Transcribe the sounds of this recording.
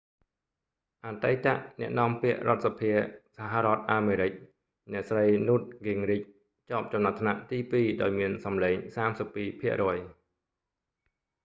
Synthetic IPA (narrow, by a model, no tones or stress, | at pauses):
ʔaːt̪əjt̪a̰ʔnɛ̆əʔnɔəmpiəʔrŏət̪̚sapʰiəsaɦaɾŏət̪̚ʔaːmeːɾɨc̚ | nɛ̆əʔsrəjnuːt̪̚ɡiŋric̚ | t͡ɕɑːp̚t͡ɕɑmnat̪ʰːnaʔt̪iːpiːɗaɔjmiənsɑmleːŋsaːmsəpːiːpʰiəʔrɔːəj